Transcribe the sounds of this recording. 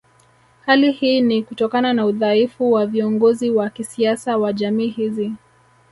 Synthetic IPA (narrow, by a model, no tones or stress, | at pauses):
halihiːnikutɔkananauðaifuwaviɔŋɡɔziwakisiasawaʄamiːhizi